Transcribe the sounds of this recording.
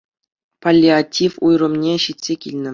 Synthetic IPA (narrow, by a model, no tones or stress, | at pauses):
palʲːiatʲːifujrɤ̆mnʲeɕitʲsʲekʲilʲnʲɘ̆